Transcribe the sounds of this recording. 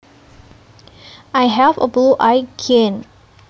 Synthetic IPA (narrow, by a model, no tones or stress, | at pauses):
ʔajɦɛvə̰bluʔajkʰẽn